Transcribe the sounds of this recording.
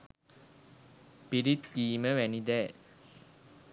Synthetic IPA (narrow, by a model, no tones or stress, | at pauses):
piɾit̪ːiːməʋænid̪ɛː